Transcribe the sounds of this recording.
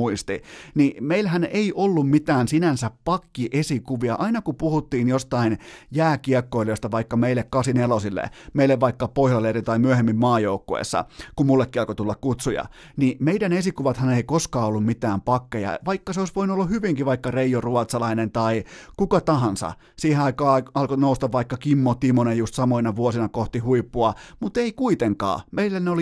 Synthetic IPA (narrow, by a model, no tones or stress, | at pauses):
uist̪inimeilhæneiʔolːummit̪æːnsinænsæppɑkːiʔesikuʋiɑ̰ʔɑinɑkupuhut̪ːiːnjost̪ɑinjæːkiɑkːoiloist̪ɑʋɑikːɑmeilːekkɑsinelosilːḛmeilːeʋʋɑikːɑpohlɑlerit̪ɑimyøhemːimmɑːjoukːoḛsːɑ̰kummulːekːiɑlkot̪ulːɑkkut̪sujɑ̰ | nimeidænesikuʋɑt̪hɑneikoskɑːolːummit̪æːmpɑkːejɑ̰ʋɑikːɑseoisʋoinuolːuhyʋiŋkiʋɑikːɑreijoruɑt̪sɑlɑinent̪ɑikukɑt̪ɑɦɑnsɑ̰ | siːheɑikɑːɑlkonoust̪ɑʋʋɑikːɑkimːot̪imonejust̪sɑmoinɑʋuosinɑkoht̪ihuipːuɑmut̪eikuit̪eŋkɑ̰ːmeilːeneoli